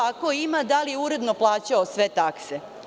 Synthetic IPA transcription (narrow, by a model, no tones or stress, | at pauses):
akoimad̪alijeuɾe̞d̪no̞plˠaːt͡ɕaosʋe̞t̪akse